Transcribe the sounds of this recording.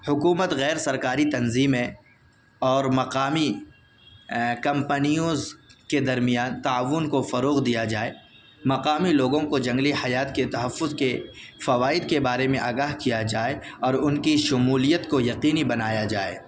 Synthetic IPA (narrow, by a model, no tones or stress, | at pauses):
hʊkuːmət̪ɣɛːɾsɐɾkaːɾit̪ɐnziːmɦɛ̃ | ɔːɾmɐqaːmi | kɐ̃mpənijozked̪ɐɾmijaːnt̪aːʋʊnkofɐɾoːɣd̪ijad͡ʒaːeː | mɐqaːmiloːɡõkod͡ʒɐ̃ŋɡlihɐjaːt̪ket̪ɐɦɐfːʊzkefɐʋaːɪd̪kebaːɾemẽʔaːɡaːɦkijad͡ʒaːeɔːɾʊnkiʃʊmuːlijət̪kojɐqiːnibɐnaːjad͡ʒaːḛː